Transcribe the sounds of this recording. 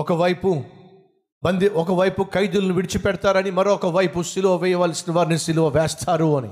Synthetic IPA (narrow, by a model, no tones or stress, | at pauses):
ɔkɐʋɐjpu | bɐnd̪iɔkɐʋɐjpukɐjd̪ulɐnuʋiɽit͡ʃipɛɽɐt̪aːɾɐnimɐɾoːɔkɐʋɐjpusiluʋɐʋɛːjɐʋaːlsinɐʋaːɾnisiluʋɐʋɛːst̪ʰaːɾuɐnḭ